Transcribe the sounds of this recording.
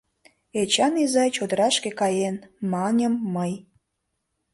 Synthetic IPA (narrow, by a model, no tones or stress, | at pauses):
et͡ɕɑnizɑjt͡ɕod̪əɾɑʃkekɑjenmɑnʲə̆mːəj